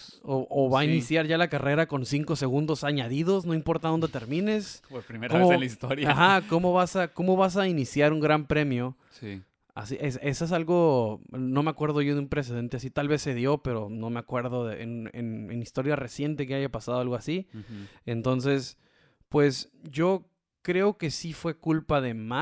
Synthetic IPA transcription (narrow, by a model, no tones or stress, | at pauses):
oʔoβainisjaɾʝalakare̞ɾako̞nsiŋko̞se̞ɣũnd̪o̞saɲaðiðo̞zno̞impo̞ɾt̪aðo̞nd̪e̞t̪e̞ɾmĩne̞soɾpɾimeɾmoelaist̪oɾjaaxako̞mo̞βasako̞mo̞βas̬ainisjaɾuŋɡɾampɾe̞mjo̞ | si | a̰siʔese̞soes̬alɣo̞no̞me̞akwe̞ɾð̞oʝo̞ðumpɾe̞s̬e̞ð̞e̞nt̪easit̪alβe̞sːe̞ðjo̞pe̞ɾo̞no̞meakwe̞ɾðo̞ðeʔḛnḛnḛnist̪o̞ɾjare̞sje̞nt̪e̞ke̞aʝapasað̞o̞alɣo̞asient̪o̞ns̬e̞s | pwe̞s | ɟ͡ʝo̞ | kɾe̞o̞ke̞sifwe̞kulpaðe̞ma